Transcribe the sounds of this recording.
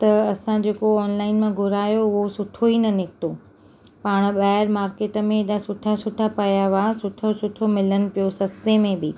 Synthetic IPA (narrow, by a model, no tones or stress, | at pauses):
t̪ɐɐsãd͡ʑeːkoɔːnlaːɪnmãɡʱʊɾaːjoʊɦosʊʈʰoinɐnɪkʰt̪o | paːɽ̃ɓaːɪɾmaːɾkeːʈə̆mẽɗasʊʈʰasʊʈʰapɐjaʋasʊʈʰosʊʈʰomɪlənɪ̆pijosɐst̪emẽbɪ